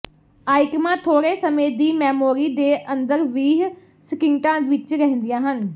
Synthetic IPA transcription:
aːɪkmãːt̪ʰoːɾeːsəmẽːd̪iːmɛːmoːɾiːd̪eːʔənd̪əɾʋiːɦ | səkɪŋʈãːʋɪt͡ʃɾɛɦnd̪ɪjãːɦən

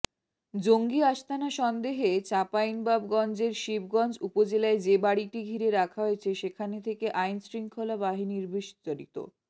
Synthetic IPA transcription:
d͡ʑoŋɡiaʃt̪ʰanaʃɔnd̪eɦet͡ɕapajnbabɡɔnd͡ʑeɾʃib̚ɡɔnd͡ʑupod͡ʑelaed͡ʑebaɽiʈiɡʱiɾeɾakʰaɦoet͡ɕʰeʃekʰanet̪ʰekeʔajnsɾiŋkʰolabaɦiniɾbiʃt̪aɾit̪o̰

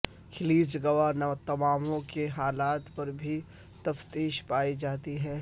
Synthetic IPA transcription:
kʰɪliːd͡ʒɡɐʋanɐt̪ɐmaːmõkeɦaːlaːt̪pɐɾbʱi | t̪ɐft̪iːʃpaːid͡ʒaːt̪iɦɛ̃ː

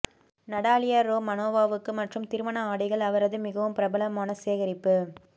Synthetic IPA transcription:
nɐɽaːlɪjaɾoːmɐnoːʋaːʋɯkːɯmɐʈrɯmt̪ɪɾɯʋɐnɐaːɽɪɣɐɭɐʋɐɾɐðɯmɪɣɐʋɯmpɪɾɐbɐlɐmaːnɐseːɣɐɾɪpːɯ

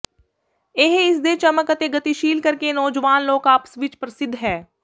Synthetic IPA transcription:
eɦɪsd̪et͡ʃɐməkət̪eɡɐt̪iʃiːlkɐɾkenɔːd͡ʒʋaːnloːkaːpə̥sʋɪt͡ʃpɾəsɪd̪ʱːɦɛː

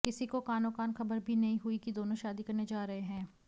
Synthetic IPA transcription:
kɪsikokaːnõkaːnxɐbəɾbʱinɐɦĩɦʊikid̪oːnõʃaːd̪ikɐɾned͡ʒaːɾɐɦeɦɛ̃ː

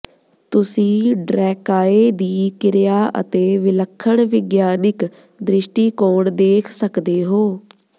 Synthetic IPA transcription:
t̪ʊsĩːɖɾɛːkaːeːd̪iːkɪɾjaːʔə̰t̪eːʋɪləkʰːəɳʋɪɡjaːnɪk | d̪ɾɪʃʈiːkoːɳd̪eːkʰsəkd̪eːɦoː

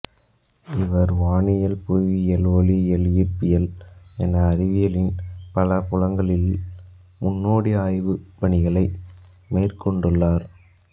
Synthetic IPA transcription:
ɪʋɐɾʋaːɳɪjɐlpuʋiɛloːɭiɛljɪɾpɪjɐlɛnɐːɾɪʋɪjɐlɪnpɐlɐpʊɻɐŋɡɐɭɪl | mʊnːoːɽiaːjʋɯpɐɳɪɣɐɭɐɪ | meːrkɔɳɖɯɭːaːɾ

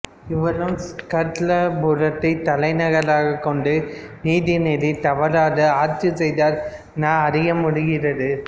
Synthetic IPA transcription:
ɪʋɐlɯmskɐɾt̪lɐbʊɾɐt̪ːɐɪt̪ɐlɐɪnɐɣɐlaːɣɐkːɔɳɖɯniːðinɛðɪt̪ɐʋɐɾaːðɐaːɾt͡ʃɯsɛjðaːɾ | naːɐɾɪjɐmʊɽɪɣɪrɐðɯ

